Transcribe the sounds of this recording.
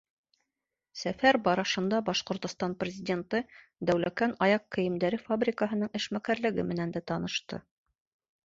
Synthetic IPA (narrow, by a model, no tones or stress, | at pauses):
sæfæɾbɑɾɑʃɤ̆nd̪ɑbɑʃqŏɾt̪ŏst̪ɑnprʲɪzʲɪdʲent̪ɤ | d̪æwlækænɑjɑqːɘ̆jɘ̆md̪æɾɘfabrʲɪkəɦɤ̆nɤɴɘ̆ʃmækæɾlɘ̆ɡɘ̰mɘ̆nænd̪æt̪ɑnɤ̆ʃt̪ɤ̰